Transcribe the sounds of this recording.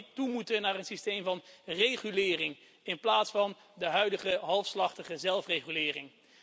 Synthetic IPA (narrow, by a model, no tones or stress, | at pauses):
tumutənaːrənsistejmvɑnrejχylɪːrɪŋ | ɪnplaːtsfɑn | dəɦœɥdəχəɦɑlˠfslɑχtəχəzɛlˠfrejχylɪːrɪŋ